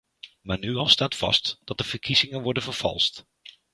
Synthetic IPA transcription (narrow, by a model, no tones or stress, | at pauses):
maːɹnyɑlˠstaːtfɑ̰std̥ɑt̚dəv̥əɹkʰizɪŋənʋɔɹdənvəɹv̥ɑ̰lˠst